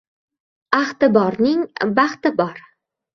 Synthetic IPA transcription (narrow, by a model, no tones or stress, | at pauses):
aχt̪ɪbɒɾnɪŋbaχt̪ɪbɒɾ